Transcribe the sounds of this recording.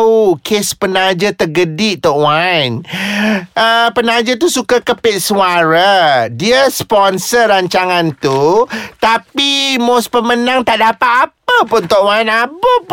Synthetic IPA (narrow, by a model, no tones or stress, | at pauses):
ukʰespənad͡ʒət̪əɡədiʔt̪ɔʔwajn | ʔəpənad͡ʒət̪usukakəpɪt̪̚suaɾaədiəspɔnsəɾaɲt͡ʃaŋãnt̪ut̪apimospəmənãŋt̪aʔdapat̪apəpʊnt̪ɔʔwajnapəp